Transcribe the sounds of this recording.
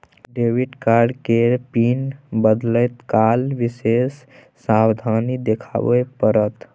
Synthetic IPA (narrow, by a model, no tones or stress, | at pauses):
ɖewiʈkaɾɖkeɾpinbəd̪ləjt̪kalʋisesː | awd̪ʱanid̪ekʰa̰bəpəɾət̪